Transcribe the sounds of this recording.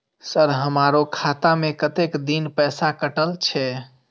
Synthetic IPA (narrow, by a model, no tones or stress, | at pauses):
səɾɦəmaɾokʰat̪amekət̪ekd̪inpɛsakəʈəlt͡ʃʰɛ